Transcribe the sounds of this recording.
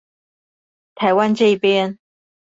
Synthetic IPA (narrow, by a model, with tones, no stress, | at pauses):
t̪ʰa˨˧˥ɪwa˦nʈ͡ʂɤ˥˧i˥˩pjɛ˥n